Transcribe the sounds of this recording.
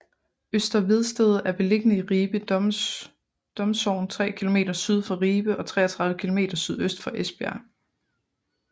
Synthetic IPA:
øsd̥ɐʋið̞ˠsd̥eð̞ˠæɐb̥e̝le̝ɡ̥ənəiʁiːb̥ə | d̥ɒ̽msɒʊ̰n̩t͡sʰʁɛ̰ːkʰilo̝me̝̰ːd̥ɐsyð̞ˠfɑ̈ʁiːb̥əʔɒ̽t͡sʰʁɛ̰ːɐt͡sʰʁɑ̈ð̞ˠʋəkʰilo̝me̝̰ːd̥ɐsyð̞ˠøsd̥fɒ̽ʔesb̥eæ̰ɐ

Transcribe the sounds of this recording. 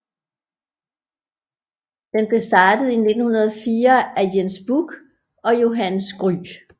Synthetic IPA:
d̥enb̥e̝sd̥ɑ̈ːd̥əð̩ˠine̝d̥n̩hunɐð̞ˠfiːɐæjensb̥uɡ̥ | ɒ̽jo̝ɦænsɡ̥ʁy̰ː

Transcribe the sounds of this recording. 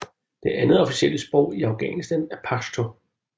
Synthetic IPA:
d̥e̝ʔænð̩ˠɒ̽fi̥siel̰əsb̥ʁɔʊ̰iɑ̈ʊɡ̥ɛ̰nisd̥ænæɐpʰɑst͡sʰo̝

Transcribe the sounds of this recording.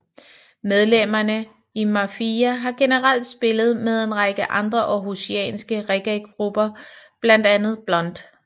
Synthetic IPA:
með̞ˠlem̰ɐnə | imɑfiæɦɑ̈ɡ̥e̝nəʁal̰d̥sb̥e̝lð̞̩ˠmeð̞ˠe̝nʁɑɡ̥əʔɑ̈nd̥ʁɐʔɒ̽ɦusiɛ̰ːnsɡ̥əʁɛɡ̥ʁɛɡɡ̥ʁub̥ɐb̥læn̰d̥ænð̞̩ˠb̥lɒ̽n̰d̥

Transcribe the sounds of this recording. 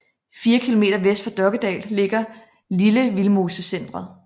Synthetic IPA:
fiːɐkʰilo̝me̝̰ːd̥ɐʋesd̥fɒd̥ɶɐɡ̥əd̥ɛ̰ːlːe̝ɡ̥ɐ | liləʋilmo̝ːsəsen̰d̥ʁɐ

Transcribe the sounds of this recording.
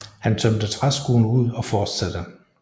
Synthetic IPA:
hænt͡sʰœm̰d̥ət͡sʰʁasɡ̥uːn̩uð̰ˠɒ̽fɒːd̥sæd̥ə

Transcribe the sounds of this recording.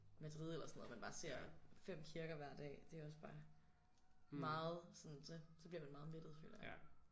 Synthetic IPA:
mæd̥ʁið̰ˠelɐsɒno̽ð̩ˠmænb̥ɑ̈ːse̝ɐ̰fem̰kʰiɐɡ̥ɐʋæɐ̰d̥ɛ̰ːd̥e̝æɒ̽sb̥ɑ̈ː | mɑ̈ːð̩ˠsɒ̽nsɒsɒb̥liɐmænmɑ̈ːð̩ˠme̝d̥ð̩ˠfy̰læ

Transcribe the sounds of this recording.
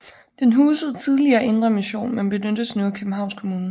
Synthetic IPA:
d̥enɦuːsəð̩ˠt͡sʰið̞ˠliɐːʔe̝nd̥ʁɐmiɕo̝̰ːnmenb̥e̝nød̥əsnuːækʰøb̥m̩ɦɑ̈ʊ̰nskʰo̝muːnə

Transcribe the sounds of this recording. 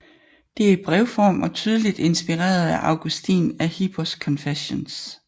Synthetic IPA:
d̥e̝æɐib̥ʁɛʊfɒ̰ːmɒ̽t͡sʰyːð̞ˠəlid̥e̝nsb̥iʁɛ̰ːɐð̩ˠæʔɑ̈ʊɡ̥usd̥ḭːnæhib̥ʰɒskʰɒ̽nfeɕons

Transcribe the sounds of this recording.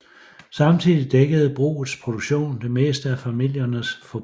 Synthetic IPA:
sɑ̈mt͡sʰið̰ˠid̥eɡ̥əð̞̩ˠb̥ʁṵːð̩ˠspʰʁo̝d̥oɡ̥ɕo̝̰ːnd̥e̝me̝̰ːsd̥əæfæmil̰jɐnəsfɒ̽

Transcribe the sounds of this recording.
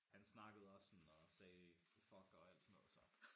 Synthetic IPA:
hænsnɑ̈ɡ̥əð̞̩ˠɒ̽sːɒnɒ̽sɛː | fɒ̽ɡ̥ɒ̽æl̰d̥sno̽ːð̰̩ˠsɒ̽

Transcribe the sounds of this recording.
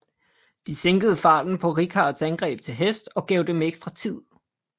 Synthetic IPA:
d̥iseŋɡ̥əð̩ˠəfɑ̈ːd̥n̩pʰɒ̽ʁikʰɑ̈ːd̥sænɡ̥ʁɛ̰ːb̥̚t͡sʰe̝lɦesd̥ɒ̽ɡ̥ɛʊd̥emeɡ̥sd̥ʁɑ̈t͡sʰið̰ˠ

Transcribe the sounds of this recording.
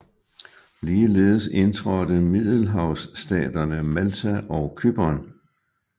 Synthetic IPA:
liːle̝̰ːðˠəse̝nt͡sʰʁɒd̥əmið̰ˠl̩ɦɑ̈ʊsːd̥ɛ̰ːd̥ɐnəmælt͡sʰæʔɒʊkʰyb̥ɒn

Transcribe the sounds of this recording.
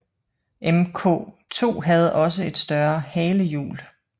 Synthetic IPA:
ʔemkʰɔ̰ː | t͡sʰo̝̰ːɦæð̞̩ˠɒ̽s̬əe̝d̥sd̥ɶɐhɛːləjṵːl

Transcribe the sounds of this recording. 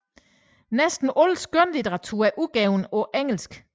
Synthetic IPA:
nesd̥n̩ʔɔlsɡ̥ønlit͡sʰeʁɑ̈t͡sʰṵːɐæʔuɡ̥ɛʊnɒ̽ʔeŋ̰l̩sɡ̥

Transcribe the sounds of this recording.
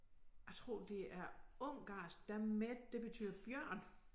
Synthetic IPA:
jɑ̈ɪt͡sʰʁo̝̰ːd̥e̝æɐɔŋ̰ɡ̥ɑ̈ːs̚d̥æmed̥d̥e̝b̥e̝t͡sʰy̰ːð̰ˠɐb̥jɶɐ̰n

